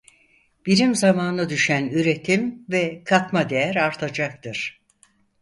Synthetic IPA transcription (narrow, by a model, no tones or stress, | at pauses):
b̥iɾimzamaːnad̪yʃænyɾe̞t̪ʰimvɛkʰakmad̪e̞jæɾaɾt̪ʰad͡ʒak̚t̪ʰɯɾ̥